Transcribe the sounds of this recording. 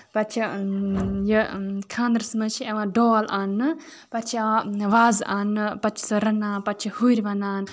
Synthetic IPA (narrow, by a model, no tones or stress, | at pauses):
pɐt͡ʃʰi | jɐkʰãːnd̪ɾsmɐt͡ʃʰiɐʋãːɖoːlʔaːnːɨ | pɐt͡ʃʰiɐʋãʋaːzaːnːɨpɐt͡ʃʰi̥sɨɾɐnaːnpɐt͡ʃʰihuɾʲbɐnaːn